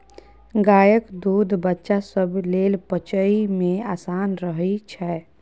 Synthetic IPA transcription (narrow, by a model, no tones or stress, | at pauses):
ɡaːjəkd̪uːd̪ʱbətːʃasəbʱleːlpət͡ʃəimẽaːsaːnɾəɦit͡ʃʰɛ